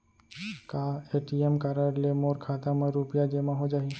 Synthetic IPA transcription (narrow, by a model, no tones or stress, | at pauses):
kaeʈiemkaɾaɾlemoɾkʰat̪amãɾupjad͡ʒemãɦod͡ʒaɦi